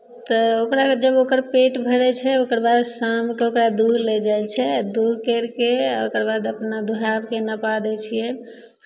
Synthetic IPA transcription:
t̪ɔokɾad͡ʒəbokəɾpeʈbʱeɽɛt͡ʃʰɛokəɾbad̪samkeokɾad̪uɦled͡ʒajlt͡ʃʰɛd̪uɦkeɾkeaokəɾbad̪əpnad̪uɦabkenapad̪ɛt͡ʃʰijɛ

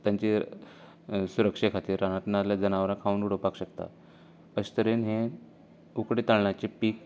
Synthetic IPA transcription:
t̪jãɲt͡ɕi | suɾəkʂekʰat̪iːɾːanaʈnaɾlad͡zənaʋəɾãkʰauːnuɽopakɕəkt̪a̰ | əɕt̪əɾeːnɦẽ | ukɽit̪aɭɳat͡ɕepiːk

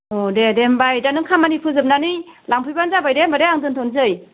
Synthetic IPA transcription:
ɔdedembajdanɯŋkʰamanipʰɯzɯp̚nanɯjlaŋpʰɯjbanzabajdembaɾeaŋzɯntʰɔnzɯj

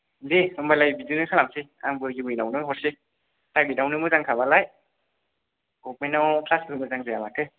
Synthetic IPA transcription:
diɔmbajlajbidinɯkʰalamsia̰ŋbɯjimɯjnawnɯɦɔɾsi | sajbinawnɯmɯzaŋkʰabalaj | ɡɔp̚menawkʰlasbɯɯmɯzaŋzejamakʰɯ

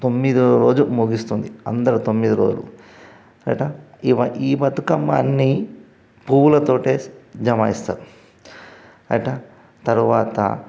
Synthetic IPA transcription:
t̪o̞mːid̪iɾo̞ːd͡ʒumuːɡist̪und̪iɐnd̪ɐɾut̪o̞mːid̪iɾo̞̰ːd͡ʒulṵ | ɐ̰jʈɐ | iʋɐʔiːbɐt̪ukɐma̰ːnːi | puːulɐt̪o̞ːʈeːd͡ʒɐmaːist̪a̰ːɾu | ɐ̰jʈɐ | t̪ɐɾuʋaːt̪ɐ̰

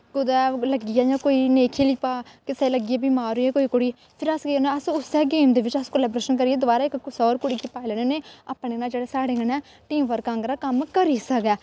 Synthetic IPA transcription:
kʊd̪ɛːləɡijaːjãːkoːiːneːkʰeːliːpaːkɪseːləɡieːbiːmaːɾuɛːkoːiːkʊɽiː | pʰɪɾəsɡenːəsʊsɛːɡeːmd̪eːʋɪt͡ʃəskoːlɛːboɾeːʃənk̬əɾieːd̪ʊbaːɾaːɪkkʊsɔːɾkʊɽiːkipaːileːneːneːaːpɽeːnaːd͡ʒeːɽeːsaːɽeːɡənɛː | ʈiːmʋəɾkãːŋɡɾaːkəmkəɾiːsəkɛː

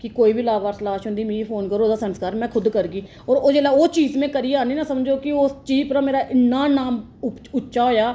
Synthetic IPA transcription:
kɪkoːiːbiːlaːʋaːɾslaːʃɦʊ̃nd̪iːmĩpʰoːnkəɾoːd̪aːsənskaːɾmɛ̃ːkʰʊd̪kəɾɡiː | ɔːɾoːd͡ʒeːlaːoːt͡ʃiːzmẽːkəɾiːaːniːnãːsəmd͡ʒoːkɪoːst͡ʃiːzpəɾãːmeːɾaːʔɪnːaːnaːm | ʊʊʃaːɦoːjaː

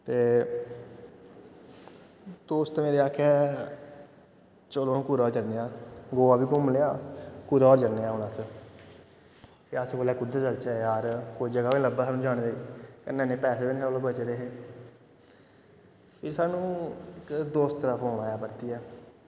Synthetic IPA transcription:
t̪eː | d̪oːst̪meːɾeːaːkʰɛː | t͡ʃoːloːnũːkʊɾɔːɾt͡ʃəneːaːɡoːaːbiːkʊmleːaːkʊɾɔːɾd͡ʒəɾneːãːʊnas | pɪɾəsboːljaːkʊd̪ət͡ʃəlt͡ʃajaːɾkoid͡ʒəɡaːʋĩləbaːsaːnũːd͡ʒaːɽ̃d̪eiːkənːɛ̃ːnẽːpɛːseːbiːnsoloːbət͡ʃeɾeɦeː | pʰɪɾsaːnũːɪkd̪oːst̪əɾaːpʰoːnaːjaːpəɾt̪iːɛː

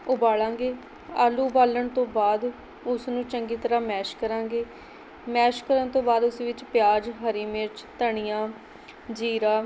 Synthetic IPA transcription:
ʊbaːɭãːŋɡeː | aːluːbaːlːəɳt̪õːbaːd̪ | ʊsnũːt͡ʃəŋɡiːt̪əɾaːmɛːʃkəɾãːŋɡeː | mɛːʃkəɾəɳt̪õːbaːd̪ʊsʋɪt͡ʃpjaːd͡ʒɦəɾiːmeɾt͡ʃt̪əɳ̃ɪjãː | d͡ʒiːɾaː

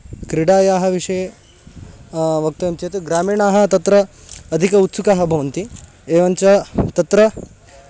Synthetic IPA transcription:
kɾiɽaːjaːɦɐ̆ʋiʂe | ʋɐk̚t̪ɐemt͡ʃeːt̪uɡɾaːmiːɳaːɦɐ̆t̪ɐt̪ɾɐː | d̪ʱikɐut̪sukaːɦɐbʱɐʋɐnt̪i | eːʋɐnt͡ʃɐt̪ɐt̪ɾɐ

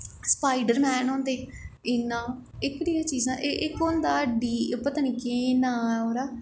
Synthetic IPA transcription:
spaːiɖəɾmɛːnõːnd̪eːɪnãːɪkːɽijãːt͡ʃiːzãːʔeʔɪkoːnd̪aːɖiːpət̪aːniːkeːnãːoːɾaː

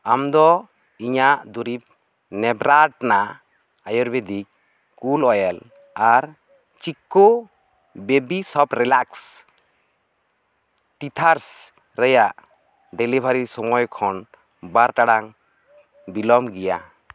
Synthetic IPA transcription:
amd̪ɔ | iɲaʔd̪uɾip̚ | nɛbɾaʈna | ajɔɾbɛd̪ik̚ | kulɔjɛl | aɾ | t͡ʃikːo | bebisɔbɾɛlaks | ʈit̪ʰaɾs | ɾɛjaʔ | ɖɛlibʱaɾisɔmɔjkʰɔn | baɾʈaɽaŋ | bilɔmɡija̰

